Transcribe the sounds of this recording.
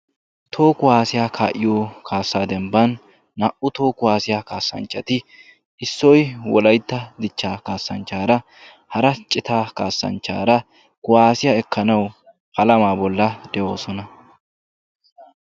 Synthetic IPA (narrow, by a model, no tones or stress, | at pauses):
t̪ʰo̞ːkʊwaːsɪjaːkʰa̰ːʔɪjoːkʰaːsːaːd̪ɛmbɐnː | ɐʔʊt̪o̞ːkʊwaːsɪjaːkaːsːɐ̰nt͡ʃːɐt̪ɪ | ɪsːɔjwɔlɐjt̪ːɐd̪ɪt͡ʃːaːkaːsːɐ̰nt͡ʃːaːɾɐ | hɐɾɐt͡ʃʼːɪt̪aːka̰ːsːɐ̰nt͡ʃːa̰ːɾɐ | kʊwaːsɪjaɛkːɐnɐw | hɐlɐmaːbɔlːɐd̪̥ɛjoːsɔnɐ